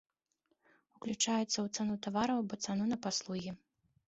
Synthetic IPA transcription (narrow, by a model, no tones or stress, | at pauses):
uklʲut͡ʂajɛt̪sːɐwt̪sanut̪avaɾɐwbɔt̪sanunɐpaslˠuɣʲi